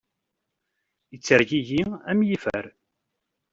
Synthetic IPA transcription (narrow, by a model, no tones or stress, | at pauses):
jət͡sːəɾʝiʝiæmjifæ̰ɾ